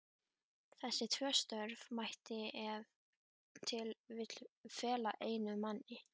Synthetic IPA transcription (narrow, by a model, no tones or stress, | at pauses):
θɛsːɪt̪ʰvœːst̪œɾvmajht̪ɪɛv | t̪ʰɪlvɪt̪l̥fɛːlaʔeːjnʏmanːɪ